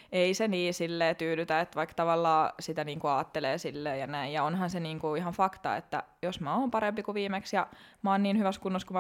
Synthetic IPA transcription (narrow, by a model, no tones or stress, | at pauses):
eiseniːsilːeːt̪yːlyt̪æet̪ʋɑikt̪ɑʋɑlːɑːsit̪æniːŋkuɑːt̪ːeleːsilːeːjɑnæijjɑonhɑnseniːŋkuihɑnfɑkt̪ɑ̰ḛt̪ːæ̰josmæoːmpɑɾempikuʋiːmeksjɑ | mɑːnniːnhyʋæskunːoskum